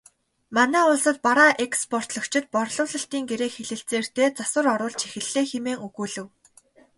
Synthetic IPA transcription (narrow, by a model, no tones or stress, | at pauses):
manæːʊɮsə̆t̪̚paɾaːʔekspʰɔr̥t̪ɮɞ̆kt͡ɕʰɪ̆t̪̚pɔrɮʊːɮə̆ɬt̪iːŋɡeɾeːxeɮɘ̆ɬt͡seːr̥t̪eːt͡sasə̆rɔɾʊːɮt͡ɕʰexɘ̆ɮeːxemeːŋɵɣuːɮɘ̆w